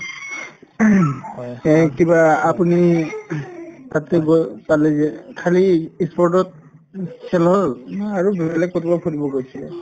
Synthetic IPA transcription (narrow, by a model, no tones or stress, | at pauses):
kibaːpuni | t̪at̪ɛɡɔpalɛɛkʰaliːspɔɹtɔt̚ | sɛnɔlaɹubɛbɛlɛk̚kotʰibakʰɔtibɔkojsilɛ̰